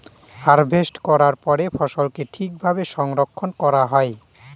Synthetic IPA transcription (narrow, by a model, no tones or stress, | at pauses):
aɾbʱesʈkɔɾaɾpɔɾefɔʃolkeʈʰik̚bʱabeʃɔŋɾokʰːonkɔɾaɦɔe